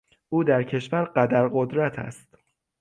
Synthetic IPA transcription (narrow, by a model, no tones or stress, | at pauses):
ʔuːd̪æɾcʰe̞ʃvæɾɢæd̪æɾɢod̪ɾæt̪ʰæ̰st̪